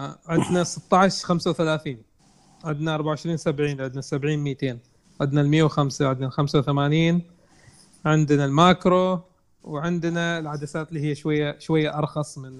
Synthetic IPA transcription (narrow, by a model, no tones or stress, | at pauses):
ʕɪd̪nasɨt̪ˤːɑʕɪʃxamsawθalaːθiːn | ʕɪd̪naʔɑɾˤbaʕʊʕɪʃɾiːnsabʕiːnʕɪd̪nasabʕiːnmiːt̪eːn | ʕɪd̪nalmɪjːawxamsaʕɪd̪nalxamsawθamaːniːn | ʕɪnd̪nalmaːkɾo | wʕɪnd̪naɪlʕad̪asaːt̪lːihijːaʃwajːaʃwajːaʔɑɾˤxɑsˤmɪn